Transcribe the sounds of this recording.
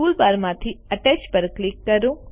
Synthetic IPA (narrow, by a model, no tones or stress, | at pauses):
uːlpaːɾmãt̪ʰiɐʈesʈpɐɾklikːɐɾũ